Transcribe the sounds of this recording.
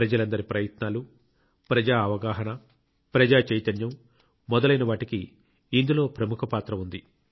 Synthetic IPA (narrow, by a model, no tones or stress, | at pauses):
pɾɐd͡ʒɐlɐnd̪ɐɾipɾɐjɐt̪naːlu | pɾɐd͡ʒaːɐʋɐɡaːɦɐnɐ | pɾɐd͡ʒaːt͡ʃɐjt̪ɐnjɐmː | ɔd̪ɐlɐjnɐʋaːʈikiː | nd̪ulo̞ːpɾɐmukʰɐpaːt̪ɾɐund̪i